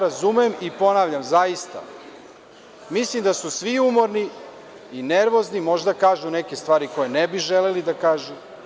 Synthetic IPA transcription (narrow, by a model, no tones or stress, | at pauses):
ɾazumeemipo̞naːʋʎamzajist̪a̰ | mislimd̪asusʋiumo̞ɾni | ineɾʋo̞znimo̞ʒd̪akaːʒunekest̪vʋaːɾiko̞jenebiʒelelid̪akaːʒu